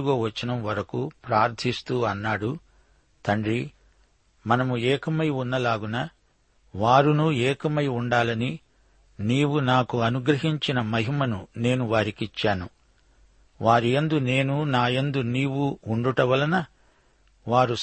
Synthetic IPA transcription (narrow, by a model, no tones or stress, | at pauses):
uɡoːʋɐt͡ʃːinɐmʋɐɾɐkupɾaːɾd̪ʰʱist̪uːɐnːaːɽu | t̪ɐɳɖɾi | mɐnɐmuɛːkɐmɐjunːɐlaːɡunɐ | ʋaːɾunuɛːkɐmɐjuɳɖaːlɐni | niːwunaːkuɐnuɡɾɐɦiɲt͡ʃinɐmɐɦimɐnune̞ːnuʋaːɾikit͡ʃːaːnu | ʋaːɾiend̪une̞ːnunaːjend̪uniːwuuɳɖuʈɐʋɐlɐnɐ | ʋaːɾus